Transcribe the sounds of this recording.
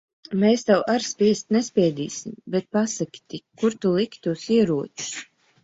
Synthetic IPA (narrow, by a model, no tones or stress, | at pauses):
meːst̪awʔaɾspʲiɛst̪nɛspʲɛːd̪iːsimbɛt̪̚pasakʲt̪ikuɾt̪ulˠikt̪usiɛɾuɔt̪u̥s